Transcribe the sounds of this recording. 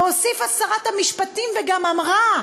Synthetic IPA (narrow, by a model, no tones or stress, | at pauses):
osifasaʁat̪hamiʃpatimveɡamamʁa